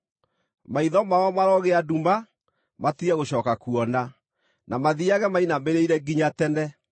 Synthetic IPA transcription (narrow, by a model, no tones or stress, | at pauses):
maiðɔmaɔmaɾɔɣeaduma | matiɛɣoɕɔːkakuɔna | namaðiaɣɛmainameɾeiɾɛɡiɲatɛnɛ